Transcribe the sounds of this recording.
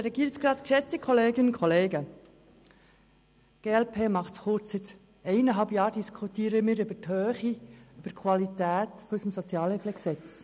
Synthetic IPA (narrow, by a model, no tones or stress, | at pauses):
ɾɛɡiːɾətsɡɾɑt̪kʃɛt͡stikχɔleːɡɪnʊnkʰχɔleːɡə | ɡ̥eːɛlpʰeːmɑχtsχʊɾt͡ssɪt̪ | ɛɪnəɦɑlbjɑːɾdiskʰut̪iːɾəmɪːɾʏb̥əthøːχiyb̥əkʰwɑlit̪æːtfɔysəmsɔt͡sjɑːləfləksɛt͡s